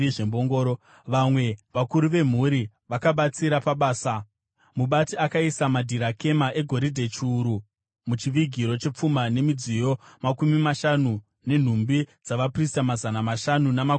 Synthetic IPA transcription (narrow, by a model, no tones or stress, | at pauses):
ʐemboŋɡoːɾo | ʋamwe̞ʋakuɾuʋe̞m̤uɾi | ʋakaɓat͡siɾapaɓaːsa | muɓatiakaisamadʱiɾake̞maʔe̞ɡʱo̞ɾidʱe̞t͡ʃːɾu | mut͡ʃiʋiɡʱiɾo̞t͡ʃe̞p͡fumane̞mid͡zijo̞makumimaʃanu | ne̞n̤umbid͡zaʋapristamazanamaʃanunama